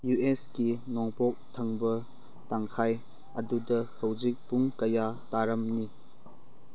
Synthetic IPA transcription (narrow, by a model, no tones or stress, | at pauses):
jueskinɔŋpɔk̚tʰɐŋbɐ | taŋkʰaj | ɐdudɐhɐwd͡ʒik̚puŋkɐjataɾɐmni